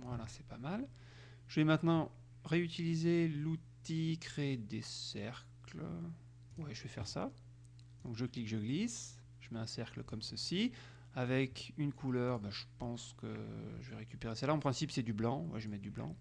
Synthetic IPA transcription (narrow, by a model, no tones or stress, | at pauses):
walasɛpamal | ʒ̥əvɛmɛ̃t̪nɑ̃ | ʁeyt̪ilizelut̪ikχeːd̪esɛʁklə | wɛʒəvɛfɛʁsa̰ | d̪ɔ̃kʒəklikʒəɡlis | ʒ̥əmɛɛ̃sɛʁkləkɔmsəsi | avɛkynkʰulœʁbɛ̃ʒəpɑ̃skə̰ʒəvɛʁekʲypeʁesalaɑ̃pχɛ̃sipsɛd̪yblɑ̃wɛ̰ʒəmɛd̪yblɑ̰̃